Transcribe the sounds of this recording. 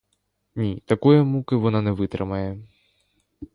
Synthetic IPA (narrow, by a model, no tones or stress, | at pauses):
nʲit̪akɔjɐmukɨvɔnanɛvɨt̪ɾɨmɐjɛ